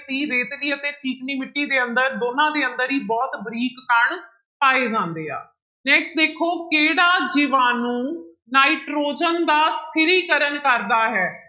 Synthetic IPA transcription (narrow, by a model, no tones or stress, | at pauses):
siːɾeːt̪niːət̪eːt͡ʃiːkniːmɪʈːiːd̪eːənd̪əɾd̪oːnãːd̪eːənd̪əɾiːbɔːt̪bɾiːkːəɳ | paːeːd͡ʒãːnd̪eːa̰ː | nɛːksʈ̚d̪eːkʰoːkeːɽaːd͡ʒɪʋaːnũː | naːiʈɾoːd͡ʒənd̪aːst̪ʰɪɾiːkəɾənkəɾd̪aːɦɛː